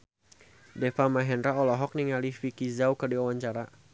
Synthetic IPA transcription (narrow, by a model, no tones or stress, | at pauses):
dɛfamaɦɛnɾaɔlɔɦɔk̚niŋalifikizaukɨrdiwawaɲt͡ʃaɾa